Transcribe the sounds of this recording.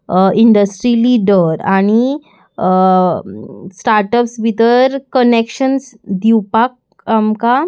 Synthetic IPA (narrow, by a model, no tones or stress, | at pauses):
iɳɖəsʈɾiliɖəɾaɽ̃i | sʈaɾʈəpsbʱit̪əɾkənekɕənsd̪iwpak̚ | amka